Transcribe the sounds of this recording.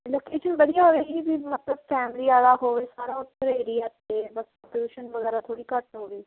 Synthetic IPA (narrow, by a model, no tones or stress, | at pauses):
loːkeːʃənbəɽijaːɦoʋeːɡiːbiːmət̪ləbfʰɛːmliːaːlaːɦoːʋeːsaːɾaːʊt̪ːəɾəiːɾiːɛt̪eːbəs | pod͡ʒuːʃənʋəɣɛːɾaːt̪ʰoːɽiːkəʈɦoːɡiː